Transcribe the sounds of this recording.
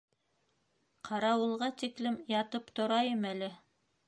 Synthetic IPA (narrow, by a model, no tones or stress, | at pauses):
qʰɑɾɑwɤ̆lˠʁɑt̪iklɘmjɑt̪ɤpt̪ŏɾɑjɤmælɘ